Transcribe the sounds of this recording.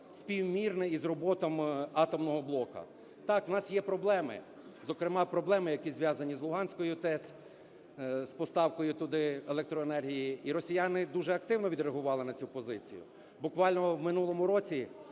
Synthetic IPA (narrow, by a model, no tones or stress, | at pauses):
sʲpʲiwmʲirnɛizrɔbɔt̪ɔmɑt̪ɔmnɔɦɔblˠɔkɐ̰ | t̪ɑknɑsjɛpɾɔblˠɛmɪ̰ | zɔkɾɪmɑpɾɔblˠɛmɪjɐkizʋʲjɑzɐnʲizlˠʊɦɑnʲsʲkɔjʊt̪ɛt͡sʲ | spɔst̪ɑwkɔjʊt̪ʊd̪ɪelˠɛkt̪ɾɔenɛrɦʲijiiɾɔsʲijɑnɪd̪uʒɛɐk̚t̪ɪwnɔʋʲid̪ɾeɦʊʋɑlˠɪnɐt͡sʲupɔzɪt͡sʲḭjʊ̰ | bʊkʋɑlʲnɔwmɪnulˠɔmʊɾɔt͡sʲi